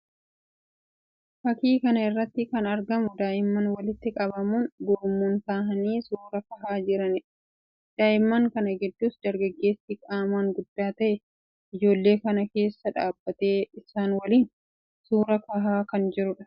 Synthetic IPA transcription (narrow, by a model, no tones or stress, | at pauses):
fɐkiːkɐnɐɪrːɐt̪ːɪkɐnɐɾɡɐmʊd̪aːʔɪmːɐnwɐlɪt̪ːɪkʼɐbɐmunɡoːmːuːnt̪aːɦɐniːsuːɾɐkɐɦaːd͡ʒɪɾɐnɪᶑɐ̥ | d̪̥aːʔɪmːɐŋkɐnɐɡɛd̪ːuːsd̪ɐɾɡɐɡːe̞ːsːɪkʼaːmaːŋɡʊd̪ːaːt̪ɐʔɛ | ʔɪd͡ʒo̞ːlːe̞ːkɐnɐke̞ːsːɐᶑa̰ːbːɐt̪e̞ːɪsaːnwɐliːn | suːɾɐkɐɦaːkɐnd͡ʒɪɾʊᶑɐ̥